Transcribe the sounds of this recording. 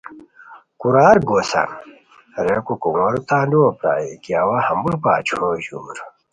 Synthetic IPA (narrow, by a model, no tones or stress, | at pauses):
kuɾaːɾɡoːsa̰n | ɾekukuŋoɾut̪aːnduwɐpɾa̰ːjikijaːwahɐmbuɾpaːt͡ɕʰõɕuːɾ